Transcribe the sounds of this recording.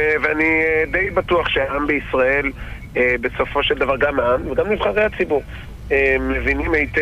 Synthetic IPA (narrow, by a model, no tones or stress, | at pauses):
veanied̪e̞jbat̪uaχʃeaambeisʁae̞l | ebe̞so̞fo̞ʃeld̪avaʁɡamaamveɡamlivχaʁejhat͡sibuʁ | emevinimejt̪